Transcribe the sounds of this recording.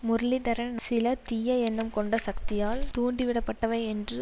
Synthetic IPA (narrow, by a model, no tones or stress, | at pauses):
mʊɾɐɭɪd̪ɐɾɐnnsɪlɐt̪ijɐɛnːɐmkɔɳɖɐsɐkt̪ɪjaːlt̪uːɳɖiʋɪɽɐpːɐʈːɐʋɐɪɛndrɯ